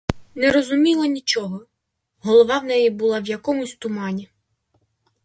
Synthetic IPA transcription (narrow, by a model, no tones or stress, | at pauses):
nɛɾɔzʊmʲilˠɐnʲit͡ʃɔɦɔ | ɦɔlˠɔʋɑwnɛjibʊlˠɑwjɐkɔmʊsʲt̪ʊmɑnʲi